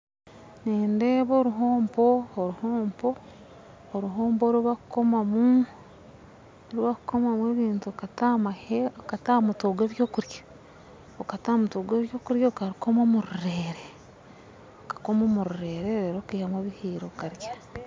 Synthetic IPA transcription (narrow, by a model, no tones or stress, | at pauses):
niːndeːβoːɾuɦoːmpooɾuhoːmpo̞ː | ɾuɦoːmbo̞ɾuβakuko̞mamu | oɾuβakuko̞mamweːβiːntuokatamaheokatamutoːɡwe̞ːβjo̞ːkuɾjḁ | okatamutoːɡeːβjo̞ːkuɾjakaɾuko̞momuɾuɾe̞ːɾe | okḁko̞momuɾuɾe̞ːɾeeɾoːkuiːhamweːβihiːɾo̞kaɾjḁ